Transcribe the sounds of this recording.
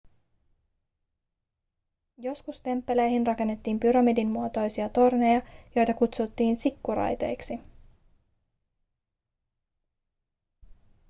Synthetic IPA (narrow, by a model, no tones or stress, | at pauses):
jo̞skust̪e̞mpːe̞lejhinrɑke̞nːe̞t̪ːiːmpyɾɑmidinːuot̪o̞jsiɑt̪o̞rne̞jɑjo̞jt̪ɑkut̪sut̪ːiːnsikːuɾɑ̰jt̪e̞̰jksi